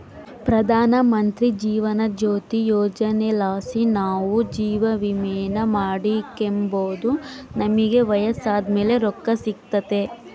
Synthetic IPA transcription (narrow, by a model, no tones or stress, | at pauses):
pɾɐd̪ʱaːnɐmɐnt̪ɾid͡ʒiːʋɐnɐd͡ʒoːt̪ijoːd͡ʒɐnelaːsinaːʋud͡ʒiːʋɐʋimɛːnɐmaːɽikːemboːd̪unɐmiɡe̞ʋɐjɐsaːd̪me̞ːle̞ɾɔkːɐsik̚t̪ɐt̪e̞